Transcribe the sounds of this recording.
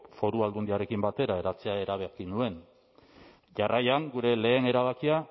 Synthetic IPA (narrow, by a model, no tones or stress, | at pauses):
fo̞ɾuald̪und̪iaɾe̞kimbat̪e̞ɾae̞ɾat͡seae̞ɾaβekinue̞n | ʝarajaŋɡuɾe̞le̞ːne̞ɾaβ̞akia